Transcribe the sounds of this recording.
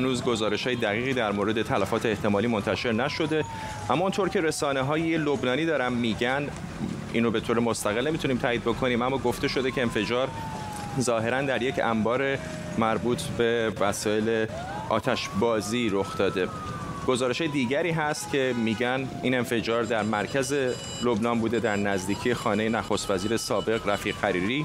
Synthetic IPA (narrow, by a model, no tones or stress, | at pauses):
ænuːzɡo̞zɒːɾe̞ʃhɒːjed̪æɣiːɣiːd̪æɾmoːɾe̞d̪e̞t̪ʰælæfɒːt̪ʰeːht̪ʰe̞mɒːliːmont̪ʰæʃe̞ɾnæʃo̞d̪e̞ | ʔæmːɒːunt̪ʰoːɾcʰe̞ɾe̞sɒːneɦɒːjelobnɒːniːd̪ɒːɾæmːiːɟæn | ʔḭnobe̞t̪ʰoːɾemost̪æɣelne̞mit̪uniːmt̪ʰæːiːd̪̚bo̞kʰo̞niːmæmːɒːɡo̞ft̪e̞ʃo̞d̪e̞cʰe̞ːnfe̞d͡ʒɒːɾ | zɒːɦe̞ɾænd̪æɾje̞cʰæ̰mbɒːɾe | mæɾbuːt̪ʰbe̞væsɒːe̞le | ʔɒ̰ːt̪ʰæʃbɒːziːɾoxd̪̥ɒːd̪e̞ | ɡ̥o̞zɒːɾe̞ʃɒːjed̪iːɟæɾiːɦæst̪cʰe̞miːɟæn | iːne̞nfe̞d͡ʒɒːɾd̪æɾmæɾcʰæze̞ | lobnɒːnbuːd̪e̞d̪æɾnæzd̪iːcʰije̞xɒːne̞jenæxost̪væziːɾe̞sɒːbe̞ɣræfiːɣːæɾiːɾiː